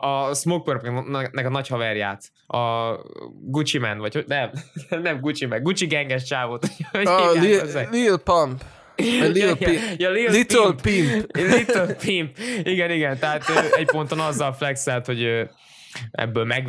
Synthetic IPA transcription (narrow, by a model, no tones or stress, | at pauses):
ɒsmok̚pørpnɛkɒnɒchɒvɛrja̰ːt̪ | ɒ | ɡut͡ʃimɛ̰nʋɒchonɛmnɛmɡut͡ʃimɛɡut͡ʃiɡɛŋɡɛʃ̬t͡ʃaːvoːt̪uɟ | øzɛlilpɔmp | liljjɒliːlit̪ølpimlit̪ølpimpiɡɛniɡɛnt̪ɛɦaːt̪øɛcpo̞nt̪onɒzːɒlflɛksɛlt̪ho̞ɟøː | ɛ̰bːølmɛɡ